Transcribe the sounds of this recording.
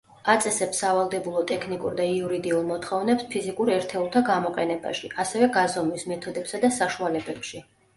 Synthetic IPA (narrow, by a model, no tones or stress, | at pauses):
at̪sʼɛsɛpsavalˠd̪ɛbulˠɔt̪ʼɛkʰnikʼṵɾd̪aiuɾid̪iulˠmɔt̪χɔvnɛpspʰizikʼuɾɛɾt̪ʰɛulˠt̪ʰaɡamɔqʼɛnɛba̰ʃiʔasɛvɛɡazɔmismɛt̪ʰɔd̪ɛpsad̪asaʃualɛbɛpʃi